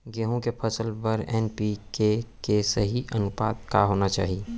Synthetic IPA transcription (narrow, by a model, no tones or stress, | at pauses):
ɡeɦõkepʰəsəlpɐɾɛːnpikekesəɦiʔənʊpa̰ːd̪kaɦoːnat͡ʃa̰ːɦie